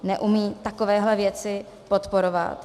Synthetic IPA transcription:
nɛʔumiːt̪ako̞vɛːɦlɛvjɛt͡sɪ | po̞t̪po̞ɾova̰t̪

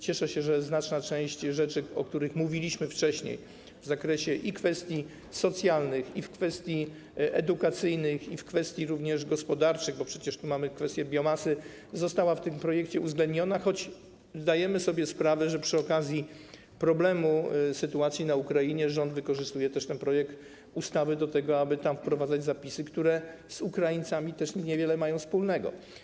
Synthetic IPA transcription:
t͡ɕɛʂɛɕɛʐɛznat͡ʂnat͡ʂɛ̃w̃ɕt͡ɕʐɛt͡ʂɘɔ̰k̚t̪uɾɘxmuvʲilʲiɕmɘft͡ʂɛɕɲḛj | vzakɾɛɕɛʔikfɛst̪ʲji | sɔt̪sʲjalnɘxifkfɛst̪ʲji | ɛd̪ukat̪sɘjnɘxifkfɛst̪ʲjiɾuvɲɛʐɡɔspɔd̪aɾt͡ʂɘɣbɔpʂɛt͡ɕɛʂt̪umamɘkfɛst̪ʲjɛbʲjɔmasɘ | zɔst̪awaft̪ɘmpɾɔjɛkt͡ɕɛuvzɡlɛnd̪̚ɲɔnaxɔd͡ʑ | zd̪ajɛmɘsɔbʲjɛspɾavɛʐɛpʂɘɔkazʲji | pɾɔblɛmusɘt̪uat̪sʲjinaukɾajiɲɛʐɔnd̪vɘkɔʐɨst̪ujɛt̪ɛʂt̪ɛnpɾɔjɛkt̪ | ust̪awɘd̪ɔt̪ɛɡɔabɘt̪amfpɾɔvad̪zad͡ʑzapʲisɘkt̪uɾɛ | z̥ukɾajint̪samʲit̪ɛʂɲɛvʲjɛlɛmajɔ̃w̃spulnɛɡɔ̰

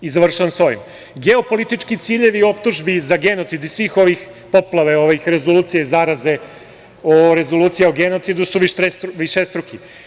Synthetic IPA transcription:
izaʋr̩ʃaʋanso̞jḭm | ɡeopo̞lit̪it͡ʂkit̪siːʎe̞ʋio̞pt̪uʒbizaɡe̞not̪sid̪isʋiːxo̞ʋix | poplˠaʋeoʋixɾe̞zoluːt̪ijezaɾaze̞ | oɾe̞zo̞lˠuːt̪sijaoɡeno̞t̪sid̪usuʋiʃɾesʋiʃest̪ɾuki

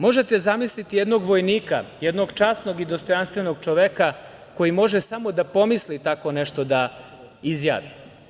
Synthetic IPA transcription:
mo̞ʒe̞t̪ezamislit̪ijed̪no̞ɡʋo̞jniːka̰jɛd̪no̞ɡt͡ʃaːsnoɡid̪ost̪o̞janst̪ʋenoɡt͡ʃo̞ʋeka | ko̞jimo̞ʒesamo̞d̪apo̞mislit̪ako̞neʃt̪o̞d̪a | izja̰ːʋi

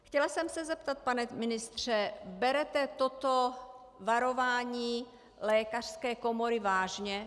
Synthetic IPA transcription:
xcɛlasɛmsɛzɛpt̪at̪̚panɛmɪnɪst̪r̝̥ɛbɛɾɛt̪ɛt̪ot̪o | vaɾo̞vaːɲiː | lɛːkar̥skɛːkomoɾɪvaːʒɲɛ

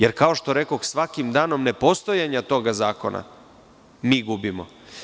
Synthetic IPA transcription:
jeɾkao̞ʃt̪o̞ɾe̞ko̞xsʋakimd̪aːno̞mne̞po̞st̪o̞jaɲat̪o̞ɡazaːko̞̰nʔa̰ | miːɡubimo̰

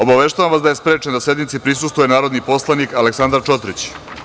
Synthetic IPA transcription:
obaʋe̞ʃt̪aʋamʋasd̪aje̞spɾe̞ːt͡ʃend̪asje̞d̪nit̪sipɾisust̪ʋujenaːɾo̞d̪nipo̞slˠanikaleksand̪aɾt͡ʃo̞t̪ɾit͡ɕ

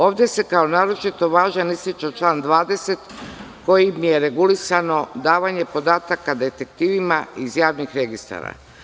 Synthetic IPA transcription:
o̞ːʋd̪je̞se̞kao̞naːɾo̞t͡ʃit̪o̞ʋaːʒanist̪it͡ʃat͡ʃlaːnd̪ʋaːd̪e̞se̞t̪ko̞jimje̞ɾe̞ɡulisano̞d̪aːʋaɲe̞po̞d̪aːt̪akad̪e̞t̪e̞k̚t̪iːʋimaizjaːʋnixɾe̞ɡist̪a̰ɾa̰

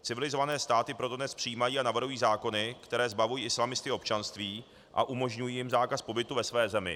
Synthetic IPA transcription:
t͡sɪvɪlɪzo̞vanɛːst̪aːt̪ɪpɾo̞t̪odnɛspr̝̥ɪjiːmajiːanavr̩ɦujiːzaːko̞nɪkt̪ɛɾɛːzbavujiːɪslamɪst̪ɪo̞pt͡ʃanst̪viː | ʔa̰ʔumo̞ʒɲujiːjɪmzaːkaspo̞bɪt̪uvɛsvɛːzɛmɪ̰

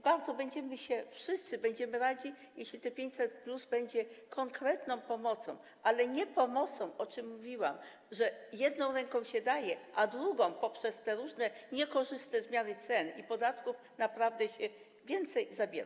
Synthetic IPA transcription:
baɾd̪zɔbɛɲd͡ʑɛmɘɕɛfʂɘst̪sɘbɛɲd͡ʑɛmɘɾad͡ʑi | jɛɕlʲit̪ɛpʲeɲt͡ɕsɛt̪pluzbɛɲd͡ʑɛkʰɔŋkɾɛt̪nɔ̃w̃pɔmɔt̪sɔ̰̃w̃ | ʔalɛɲɛpɔmɔt̪sɔ̃w̃ɔt͡ʂɘmːuvʲiwa̰m | ʐɛjɛd̪nɔ̃w̃ɾɛŋkɔ̃w̃ɕɛd̪ajɛʔad̪ɾuɡɔ̃w̃pɔpʂɛst̪ɛɾuʐnɛɲɛkɔʐɘst̪ɛzmʲjanɘt̪sɛnipɔd̪at̪kuf | napɾavd̪ɛɕɛ | vʲjɛnt̪sɛjzabʲjɛ̰ɾa

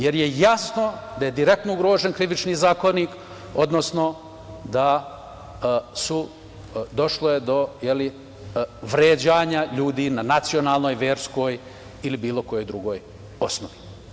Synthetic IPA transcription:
je̞ɾje̞jasno̞d̪aje̞d̪iɾe̞k̚t̪nouɡɾoːʒenkɾiʋit͡ʃniːzaːko̞nik | o̞d̪no̞sno̞ | d̪a | su | d̪o̞ʃlojed̪o̞jeli | ʋɾeːd͡ʑaːɲaʎuːd̪iːnanat̪sionaːlˠno̞ːjʋe̞ːɾsko̞ːj | ilibiːlˠo̞ko̞jo̞jd̪ɾuɡo̞ːj | o̞snoʋi

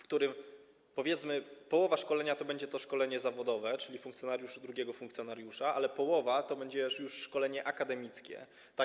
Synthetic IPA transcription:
fkt̪uɾɘm | pɔvʲjɛt̪smɘpɔwɔvaʂkɔlɛɲat̪ɔbɛɲd͡ʑɛt̪ɔʂkɔlɛɲɛzavɔd̪ɔvɛt͡ʂɘlʲifũŋkt̪jɔnaɾjuʂud̪ɾuɡʲjɛɡɔfuŋkt̪sjɔnaɾjuʂaʔalɛpɔwɔvat̪ɔbɛɲd͡ʑɛjuʂːkɔlɛɲɛʔakad̪ɛmʲit̪skʲɛ̰ | t̪a

